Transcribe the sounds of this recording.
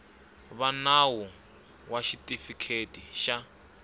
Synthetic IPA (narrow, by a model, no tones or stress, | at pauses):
βanawɔ | waʃitʼifikʰetʼiʃa